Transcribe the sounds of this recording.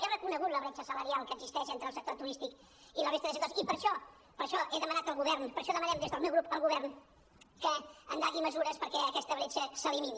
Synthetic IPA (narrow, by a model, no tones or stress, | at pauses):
ɛrəkunəɣut̪ləβɾɛt͡ʃəsələɾialˠkəɡzist̪ɛʃent̪ɾəlˠsək̚t̪ot̪uɾist̪ik | iləβɾest̪əðəsəkt̪osipəɾʃɔ | pəɾʃɔʔeðəmənat̪əlˠɣuβɛrnpəɾʃɔðəmənɛmd̪ezðəlˠmɛwɣɾupəlˠɣuβɛrn | kəə̰nd̪aɣiməzuɾəspəɾkɛəkɛst̪əβɾɛt͡ʃəsəlimin